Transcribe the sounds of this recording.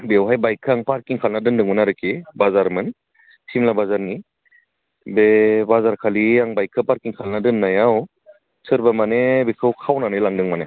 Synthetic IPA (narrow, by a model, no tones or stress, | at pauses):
bewɦajbajkʰːaŋpaɾkiŋkʰalnadɯndɯŋmɯnaɾɯkibazaɾmɯn | tʰimlabazaɾni | bebazaɾkʰaliaŋbajkʰːɯpaɾkiŋkʰalnadɯnːajaw | sɯɾbamanebekʰɯwkʰawnanɯjlaŋdɯŋmane